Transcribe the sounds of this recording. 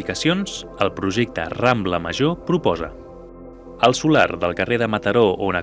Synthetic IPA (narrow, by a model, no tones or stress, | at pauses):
ikəsionz̥əlˠpɾuʒek̚t̪ə̰rambləmə̰ʒopɾupɔzə | əlˠsula̰rðəlˠkəreðəmət̪əɾoonə